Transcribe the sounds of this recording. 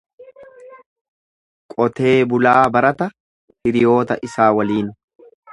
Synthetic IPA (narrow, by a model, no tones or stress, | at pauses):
kʼɔt̪e̞ːbʊlaːbɐɾɐt̪ɐ | hɪɾɪjo̞ːt̪ɐ̰ʔɪsaːwɐliːn